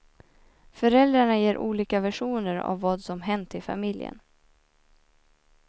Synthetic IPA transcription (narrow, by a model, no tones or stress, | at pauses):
fœɾɛld̪ɾaɳajeːɾʔuːliːkavæʂuːnəɾa̰vːɑːd̪sɔmɦɛnt̪ʰːɪlfa̰mɪljə̰n